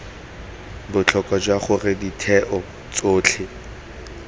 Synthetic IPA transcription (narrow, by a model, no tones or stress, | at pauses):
bʊt͡ɬʰɔkʼad͡ʒwaχʊrɪditʰɛʔɔ | t͡soːt͡ɬʰɪ